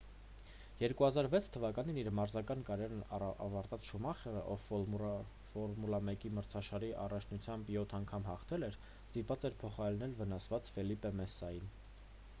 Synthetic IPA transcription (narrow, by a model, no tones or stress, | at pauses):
jɛɾkuhɑzɑɾvɛt͡sʰt̪ʰəvɑkɑniniɾmɑɾzɑkɑnkɑɾɛɾnɑɑ̰vɑɾt̪ɑt͡sʃumɑχɛɾəʔɔv | fɔɾmulɑmɛkiməɾt͡sʰɑʃɑɾiʔɑrɑt͡ʃʰnut͡sʰjɑmbjɔt̪ʰɑŋkʰɑmɦɑχt̪ʰɛlɛɾ | st̪ip̪vɑt͡sɛɾpʰɔχɑɾɛlnɛlvənɑsvɑt͡sfɛlipɛmɛsːɑjin